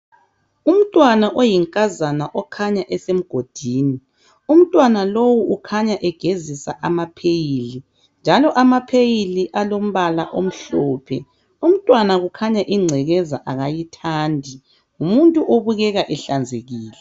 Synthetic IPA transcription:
um̩tʼwanaʔojiŋkʼazanaʔɔkʰaɲaʔɛsem̩ɡ̥ʱod̥ʱiːni | um̩tʼwanalowuʔukʰaɲaʔɛɡ̥ʱezisa̰ʔamapʰejili | nd͡ʒʱalɔʔamapʰejiliʔalom̩βalaʔom̩ɬɔːpʰɛ̰ | um̩tʼwanaɣukʰaɲaʔiŋ͡ǀʱɛɣɛzaʔaɣajitʰaːndʱi | umuntʼuʔoβuɣɛɣaʔɛɬand͡zʱeɣiːlɛ

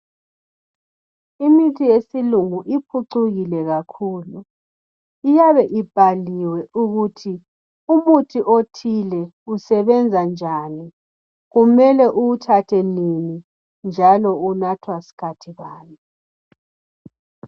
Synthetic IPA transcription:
imitʰijesiluŋuʔipʰuǀuɣilɛɣakʰuːlu | ijaβɛʔib̥ʱaliwɛʔuɣutʰi | umutʰiʔotʰilɛ | usɛβɛnd͡zʱand͡ʒʱani | ɣumɛlɛʔuwutʰatʰɛnini | nd͡ʒʱalɔunatʰwasi̥kʰatʰiɣaːnɛ

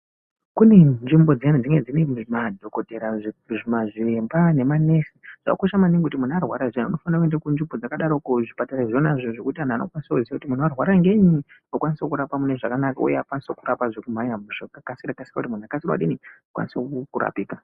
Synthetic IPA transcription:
kune̞nʐimbo̞d͡zanid͡ziŋed͡zinemadʱo̞koteɾaʐimaʐembane̞mane̞siʐ̥a̰koʃamaniŋɡkutimun̤uarwaɾaʐenuno̞fanakuendekunʐimbo̞d͡zakaɗaɾokuʐipataɾaʐonaʐioʐo̞kutian̤aːno̰kwanisokuziakutimun̤uarwaɾaŋɡe̞ɲiokwanisekuɾapamune̞ʐakanakaṵjeakwanisokuɾapaʐekum̤aɲamuʐakakasirakasi̥rakutimun̤akasirwa̰ɗiniokwa̰nisokuɾa̰piːka

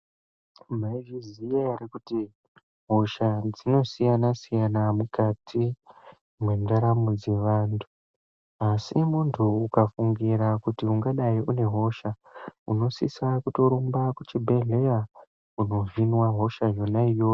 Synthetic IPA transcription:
m̤aivizijearikuti | ɦo̞ʃad͡zino̞sijanasijanamukatʰi | mwe̞ndaɾamud͡ze̞ʋaːntʰu̥ | asimuntʰuːkafuŋɡiɾakutiuŋɡaɗaiʔune̞ɦo̞ʃa | ṵno̞sḭsakuto̞ɾumbakut͡ʃibʱe̞ɮe̞ja | uno̞vinwaɦo̞ʃajo̞naijoː

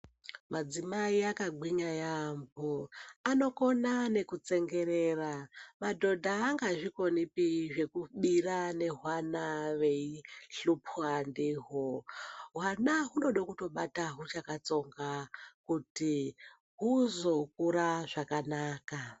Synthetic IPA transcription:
mad͡zimaiakaɡʱwiɲajamboano̞ko̞nane̞kut͡se̞ŋɡe̞ɾe̞ːramadʱo̞dʱaːŋɡaʐiko̞nipiʐe̞kuɓirane̞ɦwanaʋe̞iɬupʰwandiːɦoɦwanaɦuno̞ɗokuto̞ɓataɦut͡ʃakat͡so̞ŋɡakuti | ɦuzo̞k̚uɾaʐakanaːka

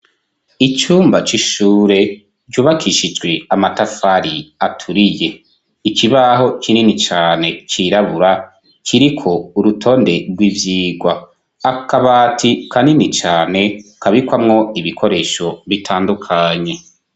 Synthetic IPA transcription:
it͡ʃuːmbat͡ʃiʃuːɾe̞ | ɟuːβakʰiʃid͡ʒɡwe̞amatafaɾiatʰuɾije̞ | ikiβaɦo̞t͡ʃininit͡ʃaːne̞t͡ʃiɾaβuɾa | t͡ʃiɾikʰo̞uɾutʰo̞ːnde̞ɾɡwivjiːɡwaː | kaβaːtʰikʰaninit͡ʃaːne̞kaβikwamŋo̞iβikʰo̞ɾe̞ːʃo̞βitʰaːndukʰaɲe̞

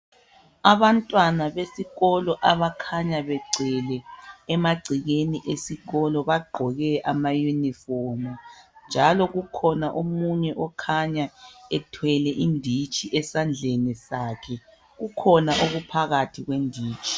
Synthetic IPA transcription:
aβantʼwanaβesiɣɔlɔʔaβakʰaɲaβɛɡ͡ǀʱɛlɛːmaɡ͡ǀʱiɣeniʔesiɣɔlɔβaɡ͡ǃʱɔɣɛʔamajunifɔrmund͡ʒʱalɔɣukʰɔnaʔomuɲɛʔɔkʰaɲaɛtʰwɛlɛʔindʱit͡ʃʼiʔɛsand͡ɮʱenisaːkʰɛ | ɣukʰɔnaʔoɣupʰaɣatʰiɣwendʱiːt͡ʃʰʼi̥

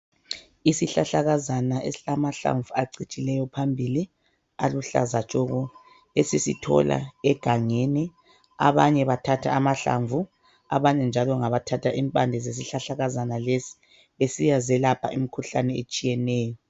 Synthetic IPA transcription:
isiɬaɬaɣazanaesilamaɬa̰ɱvuaǀit͡ʃʼilɛjɔpʰambʱili | a̰luɬa̰zat͡ʃʼɔɣu | esisitʰɔ̰la̰ɛɡ̥ʱaŋeni | a̰βaɲɛβatʰatʰa̰ːmaɬa̰ɱvu | a̰βaɲɛnd͡ʒʱalɔŋaβatʰatʰaʔimpʼandʱɛzes̬iɬaɬaɣazanalesi̥ | βesijazɛlapʰa̰imikʰuɬanɛet͡ʃʼijɛnɛːjɔ

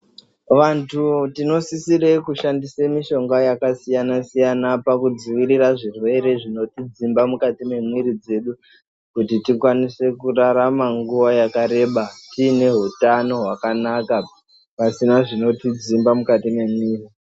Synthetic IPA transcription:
ʋantʰutino̞sisire̞kuʃandisemiʃo̞ŋɡajakasijanasijanapakud͡ziʋiɾiraʐirwe̞ɾe̞ʐino̞tid͡zimbamukatime̞mwiɾid͡ze̞ɗu | kutitikwanise̞kuraɾamaŋɡuʋajakaɾe̞ɓatine̞ɦutano̞ɦwakanaka | pasinaʐino̞tid͡zimbamukatime̞mwiːri

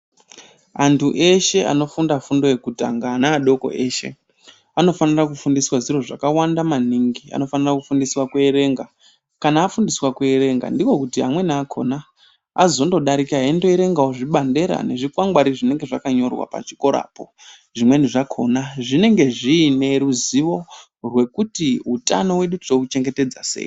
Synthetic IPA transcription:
antʰuʔe̞ʃe̞a̰no̞fundafundo̞je̞kutaŋɡanaːɗo̞ko̞̰ʔeːʃe̞̰ | ano̞fanirakufundiswaʐiro̞ʐakawandamaniŋɡia̰no̞fanirakufundiswakweeɾe̞ŋɡa | kanaːfundiswakweːɾe̞ŋɡa̰ndiko̞kutiɦa̰mwe̞naːkʰo̞̰naː | zo̞ndo̞ɗaɾikaendo̞eɾe̞ŋɡaoʐiɓande̞ɾa̰ne̞ʐikwaŋɡwaɾiʐine̞ŋɡe̞ʐakaɲo̞rwa̰pa̰t͡ʃi̥ko̞ɾa̰ːpo | ʐimwe̞niʐakʰo̞naʐine̞ŋɡe̞ʐiːne̞ɾuziʋo̞ | rwe̞kutiɦutano̞we̞ɗutrokut͡ʃe̞ŋɡe̞te̞d͡zase̞̰ːi

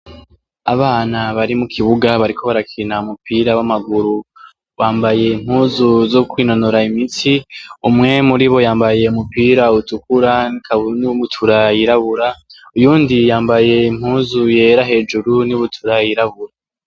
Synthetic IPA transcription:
aβaːnaβaɾimukʰiβuɡaβaɾikʰo̞βaɾakʰinaumupiɾawamaɡuɾu | βaːmbaje̞im̥huːzuzokwiːno̞noɾaimitiumŋe̞muɾiβo̞jaːmbaje̞umupiɾautukuɾaikʰauniβutʰuɾajiɾaβuɾaujuːndijaːmbaje̞im̥huːzuje̞ɾaɦe̞ːd͡ʒuɾuniβutʰuɾajiɾaβuɾa

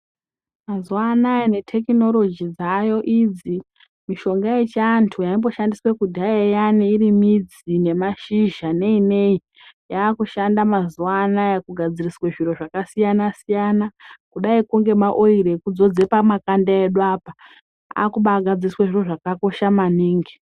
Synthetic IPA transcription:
mazuanajene̞tʰe̞kino̞lo̞d͡ʒid͡zajo̞ʔid͡zi | miʃo̞ŋɡajet͡ʃantʰujaimbo̞ʃandiswekudʱajejaniːɾimid͡z | ine̞maʃiʒane̞ine̞i | jaːkuʃandamazuanajekuɡʱad͡zirisweʐiro̞ʐakasijanasijanakuɗaikuŋɡe̞maʔo̞iɾekud͡zo̞d͡ze̞pamakandaeɗwaːpa | a̰kuɓaːɡʱad͡zirisweʐiro̞ʐakako̞ʃamaniːŋɡi

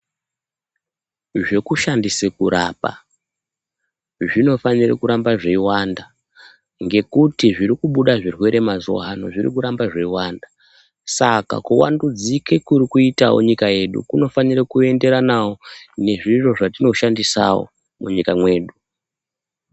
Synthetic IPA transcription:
ʐe̞kuʃandisekuɾaːpa̰ | ʐino̞fanirḛkuɾambaʐeiwanda | ŋɡe̞kutiʐiɾikuɓuɗaʐirwe̞ɾe̞mazo̞̰ɦano̞ʐirḭkuɾambaʐe̞iwanda | saka̰kuwa̰ndud͡zikekurikuitawo̰ɲikaje̞ɗṵkuno̞fanirakue̞nde̞ɾanawo̞ne̞ʐiro̞ʐatino̞ʃandisa̰wo̞̰ | muɲikamwe̞ːɗu

